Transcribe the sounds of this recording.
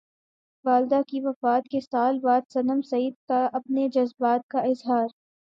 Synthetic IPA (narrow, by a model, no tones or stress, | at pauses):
ʋaːld̪akiʋɐfaːt̪̚kesaːlbaːd̪sɐnəmsɐiːd̪̚kaʔɐpned͡ʒɐzbaːt̪̚kaɪzɦaːɾ